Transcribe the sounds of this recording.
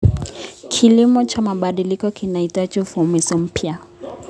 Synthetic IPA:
kʰilimɔt͡ʃamaɓaɗilikɔkinaitat͡ʃufuumisɔm̩pja

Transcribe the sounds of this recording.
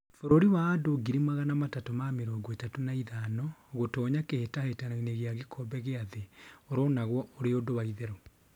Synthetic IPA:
foɾoɾiwaːdoɡiɾimaɣanamatatɔmameɾɔːɡɔetatonaiðaːnɔɣotɔːɲakehetahetananeɣeaɣekʰɔbɛɣeaðeoɾɔnaɣwɔoɾeodoβaiðɛɾɔ

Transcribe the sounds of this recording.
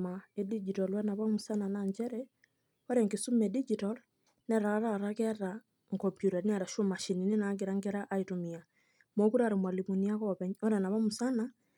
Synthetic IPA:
maedid͡ʒitɔlwɛnaβamusananaɲd͡ʒɛɾɛ | ɔɾɛŋɡesumedid͡ʒitɔl | nɛɾaɾaɾakɛɾa | ŋkɔmpjuɾanɛɾaʃomaʃininenaɡeɾaŋɡeɾaʔaitomia | mokuɾaɾemwalimuniakɔβɛɲɔɾɛnaβamusana

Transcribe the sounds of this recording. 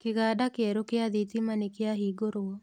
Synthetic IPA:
kɪɣadakɪɛɾokɪad̪it̪imanikɪaɦiɡoɾoɔ

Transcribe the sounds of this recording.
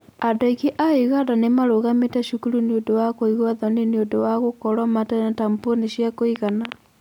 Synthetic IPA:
adoikeʔaiɣadanemaɾoɣametɛʃukuɾuniodowakoiɣwaðɔniniodowaɣokɔɾwɔmatɛnatamponiɕjakoiɣana

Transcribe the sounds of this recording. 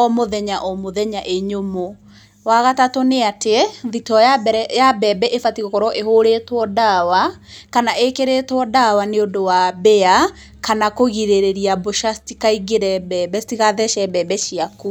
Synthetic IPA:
ɔmoðɛɲaʔɔmoðɛɲaʔeɲomo | waɣatatɔneateðitɔjabɛɾɛjabɛbɛʔefatiɣokɔɾɔʔeɦoɾetwɔdawakanaʔekeɾetwɔdawaneodowabɛa | kanakoɣiɾeɾeɾiaboʃastikaiɡeɾɛbɛbɛstiɣaðɛʃɛbɛbɛʃiaku

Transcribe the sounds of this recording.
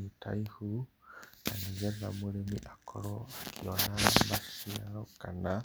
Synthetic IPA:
itʰa̰jhu | anizɛnamuɾɛmiʔakʰɔɾɔakʰiɔnabasiaɾɔkana

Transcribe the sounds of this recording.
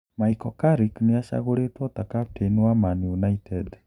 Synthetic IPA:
maikɔkaɾikneaʃa̰ɣoɾetwɔtakap̚tʰenwamanjunaitʰɛd

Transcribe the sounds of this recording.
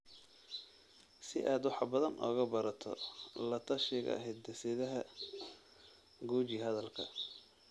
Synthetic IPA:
sɪʔaːd̪wɑħɑbɐðɐnʔɔ̰ːɣɐbɐɾɐt̪ʰɔ̰lɐt̪ʰɐʃɪɣɐ̰ɐ̰ɦɛjd̪̚d̪ɐsɪðɐɦɐ | ɡuːt͡ʃiɦɐðɐlkʰɐ̰

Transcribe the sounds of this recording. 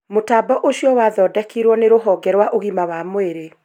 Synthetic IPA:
motaːbɔʔoɕjɔwaːðɔːdɛkiɾwɔneɾoɦɔːɡɛɾwaʔoɣimawaːmweɾe

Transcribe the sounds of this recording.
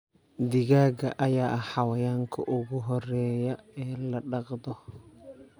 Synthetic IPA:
d̪ɪɣaːɡɐʔɐjaːħɑwɐjaːŋkʰɐ̰ʔʊɣʊɦɔɾɛːjɐɛːlɐɗɑqd̪ɔ

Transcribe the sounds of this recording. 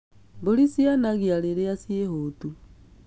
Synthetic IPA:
bolisianaɣjaleɾeasiehoːtu

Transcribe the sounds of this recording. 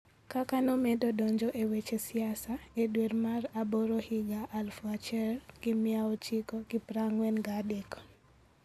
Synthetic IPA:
kakanomedodɔɲd͡ʒɔʔewet͡ʃesiasaedwermaraboɾohiɡaʔːlfɔat͡ʃɛlɡɪmiaot͡ʃikɔɡɪpɾaŋwɛnɡadekɔ̥

